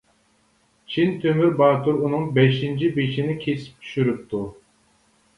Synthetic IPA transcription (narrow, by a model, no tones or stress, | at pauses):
t͡ʃʰint̪ʰømyɾbɑːt̪uɾunɨŋbɛʃint͡ʃʰibet͡ʃʰinɪkʲʰesi̥p̚t̪ʰy̥ʃyɾyp̚t̪ʰu